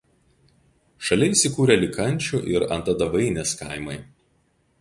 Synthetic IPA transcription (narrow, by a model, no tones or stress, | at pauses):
ʃɐlʲɛɪsʲɪkuːɾʲɛlʲɪkɐnʲˑt͡ʃʲuʔɪɾɐ̰nt̪ɐd̪ɐʋɐɪnʲeːskɐ̰ɪmɐɪ